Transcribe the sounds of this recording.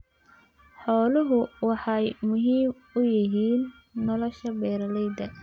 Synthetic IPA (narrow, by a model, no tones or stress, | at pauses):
ħɔːlɪɦʊwɑħɑjmʊɦiːm | ʊjɪɦiːnː | ɔlɔʃɐbɛːɾɐlɛjd̪ɐ